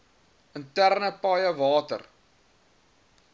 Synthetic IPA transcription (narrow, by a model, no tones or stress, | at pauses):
əntærnəpɐjəvɑːtə̰r